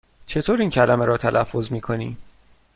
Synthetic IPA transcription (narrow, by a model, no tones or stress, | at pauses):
t͡ʃʰe̞t̪ʰoːɾiːncʰælæmeɾɒːt̪ʰælʔæfːo̞zmiːkʰo̞nḭːm